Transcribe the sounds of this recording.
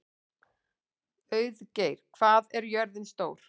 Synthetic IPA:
œːɥðceːjɾ̥kʰv̥aːðɛɾjœɾðɪnst̪oːwɾ̥

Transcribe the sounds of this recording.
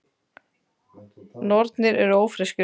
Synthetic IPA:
nɔɾt̪nɪɾɛɾoːwfɾɪscʏ

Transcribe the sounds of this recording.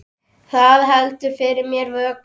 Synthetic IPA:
θaðɦɛlt̪ʏ̥fɪɾɪɾmjɛɾvœːk

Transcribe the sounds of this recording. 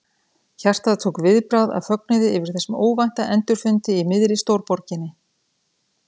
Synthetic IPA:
çar̥t̪aðat̪ʰowkvɪðpɾawða̰ðfœk̚nʏðɪɪvɪɾ̥θɛsːʏmoːwvajn̥t̪aʔɛnt̪ʏɾ̥fʏnt̪ɪimɪðɾɪst̪owɾpɔɾcɪnːɪ

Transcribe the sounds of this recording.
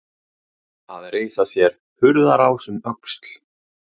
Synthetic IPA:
aðreːjsasjɛɾ̥ | hʏɾðaɾawsʏmœkst̪l̥

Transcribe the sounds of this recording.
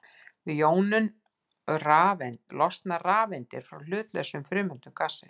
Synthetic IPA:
vɪjoːwnʏn | raːvɛnt̪lɔst̪naraːvɛnt̪ɪɾ̥fɾa̰wl̥ʏːt̪lɛ̰sʏmfɾʏːmʏnt̪ʏmkasɪ

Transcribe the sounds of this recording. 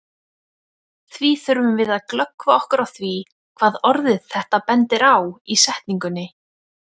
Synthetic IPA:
θviθœɾvʏmvɪðaðklœkvaɔhkʏɾawθvi | kʰv̥aːðɔɾðɪðθɛht̪apɛnt̪ɪɾawisɛht̪niŋkʏnːɪ

